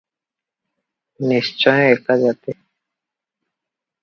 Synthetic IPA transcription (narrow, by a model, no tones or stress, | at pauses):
niʃt͡ʃɔjoekad͡ʒat̪e